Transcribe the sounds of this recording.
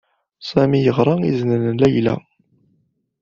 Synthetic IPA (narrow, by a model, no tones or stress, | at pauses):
sæmijəʁɾˤɑḭznənlæjlæ̰